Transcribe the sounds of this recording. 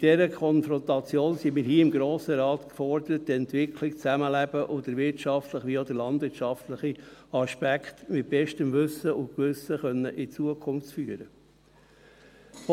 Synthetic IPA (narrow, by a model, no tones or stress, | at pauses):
ɪd̥ɛɾəkʰɔnfɾɔnt̪ɑt͡sjoːnsimiːɾɦiːɪmɡɾoːsəɾɑːt̪kfɔɾd̪əɾəttɛnt̪vɪkʰlɪkt͡sæməlæb̥əʔod̪əɾvɪɾtʃɑftləχʋiod̪əɾlɑndʋɪɾtt͡ʃɑft̪ləχiɑʃpækχtmɪt̚b̥ɛʃtəmvʏsəʊkʋʏsəχœnːəʔɪt͡suəkʰʊnft͡sfyːəɾə